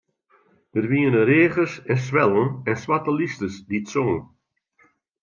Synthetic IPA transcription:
dərʋiənəreːɣəsɛnsʋɛlˠənɛnswatəlistəsditsoŋən

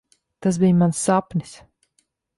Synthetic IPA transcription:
t̪asbijmansːapnʲis

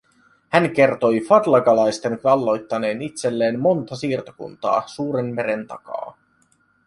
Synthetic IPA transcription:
hæŋk̟e̞rt̪o̞jfɑd̪lɑɡɑlɑjst̪e̞ŋkɑlːo̞jt̪ːɑne̞ːnit̪se̞lːe̞ːmmo̞nt̪ɑsiːrt̪o̥kṵnt̪ɑ̰ːsuːɾe̞mme̞ɾe̞nt̪ɑ̰kɑ̰ː

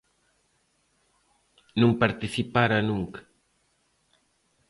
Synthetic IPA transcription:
nũŋpaɾt̪iθipaɾɐnũŋkḁ

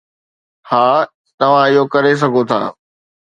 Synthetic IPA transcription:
haː | t̪ɐʋ̤ãɪjokɐɾes̬ɐɡʱot̪ʰa̰ː

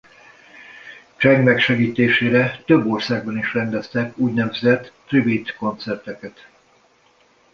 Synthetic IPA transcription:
t͡ʃɛŋɡmɛkʃɛɡiːt̪eːʃeːɾɛt̪øbːo̞rsaːɡ̚bɒniʃrɛnd̪ɛst̪ɛkuːɟnɛvzɛt̪ːribit̪ko̞nt̪sɛrt̪ɛkɛt̪

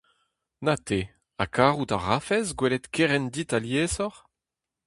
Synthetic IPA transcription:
nat̪e | a̰kʰaːʁut̪aʁafɛzɡwɛlɛt̪kʰeʁɛnd̪it̪aljeːzɔʁ

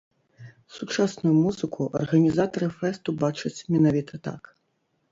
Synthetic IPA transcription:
sut͡ʂasnujumuzɨkʰuʔɐ̰rɣɐnʲizat̪ɐɾɨfɛst̪ubat͡ʂɐt͡sʲmʲɛnavʲit̪ʰɐt̪a̰k

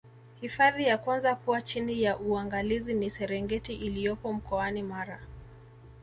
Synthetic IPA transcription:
hifaðijakwanzakuat͡ʃinijaʔuaŋɡalizinisɛɾɛŋɡɛtiʔilijɔpɔm̩kɔanimaɾa

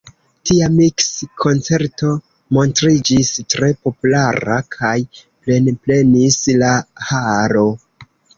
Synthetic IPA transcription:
tiamikskʰo̞nt͡se̞ɾto̞ | mo̞ntɾid͡ʒistɾe̞po̞pulaɾa̰kʰajple̞nple̞nislahaɾo̞

